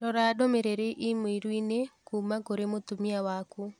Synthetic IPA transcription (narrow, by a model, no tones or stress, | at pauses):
ɾɔɾaːdomeɾeɾeʔimoiɾwinekuːmakoɾemotumiawaku